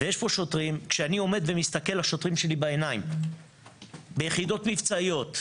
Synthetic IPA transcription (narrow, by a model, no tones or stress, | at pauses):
vejeʃpo̞ʃo̞tʁimkʃeanio̞me̞d̪vemist̪ake̞laʃo̞tʁimʃe̞libae̞naim | bejeχido̞tmivt͡saijo̞t̪